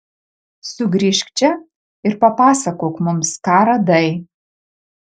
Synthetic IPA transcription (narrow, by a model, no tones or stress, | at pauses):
sʊɡɾʲiʃʲkt͡ʃʲɛ | ɪɾpɐpɑːsɐkoːkmʊmskaːɾɐd̪ɐɪ